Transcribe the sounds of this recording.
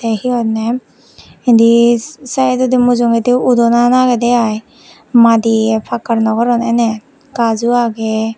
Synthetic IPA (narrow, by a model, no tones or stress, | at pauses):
dehiɔt̚ne | indisajedɔdimuzɔŋediudɔnanaɡedeaj | madipʰakaɾnɔɡɔɾɔnene | kazuaɡe